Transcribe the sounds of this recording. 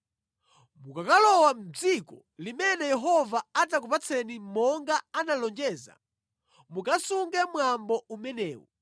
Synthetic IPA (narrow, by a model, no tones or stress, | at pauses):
mukakalɔwam̩d͡zikɔ | limɛnɛjɛɦɔvaat̬ak̬upat͡sʰɛnimɔŋɡaanalɔnd͡ʒɛːza̰ | mukasuŋɡɛmwambɔumɛnɛːwɔ̰